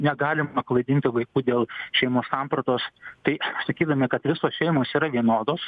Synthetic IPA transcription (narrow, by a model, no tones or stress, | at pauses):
nʲɛɡɑːlʲɪmɐklˠɐɪd̪ʲɪnʲt̪ʲɪʋɐɪkuːd̪ʲeːlˠʃʲɛɪmoːsɑmpɾɐt̪oːst̪ɐɪsɐkʲiːd̪ɐmʲɛkɐt̪ʋʲɪsoːsʃʲɛɪmoːsiːɾɐʋʲiɛnoːd̪oːs